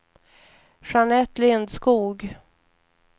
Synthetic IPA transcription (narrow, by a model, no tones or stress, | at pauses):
ʂanɛt̪lɪnd̪skuːɡ